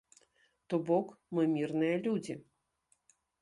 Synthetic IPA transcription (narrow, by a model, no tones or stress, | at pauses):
t̪ɔbɔkmɨmʲirnɨjɐlʲud͡zʲi